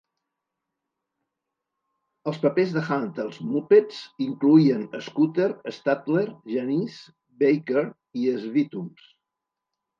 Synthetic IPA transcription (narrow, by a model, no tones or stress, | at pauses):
əlˠspəpezðəxant̪əlˠzmupet͡siŋkluiənəskut̪eɾəst̪at̪leɾʒənis | bejkəɾ | iəzβit̪ums